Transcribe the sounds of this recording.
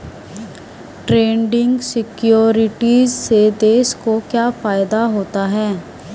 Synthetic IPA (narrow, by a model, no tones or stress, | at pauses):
ʈɾẽːɳɖɪ̃ŋɡsɪkjoːɾɪʈiːzsed̪eːʃkokjaːfaːjɪd̪aɦoːt̪aɦɛː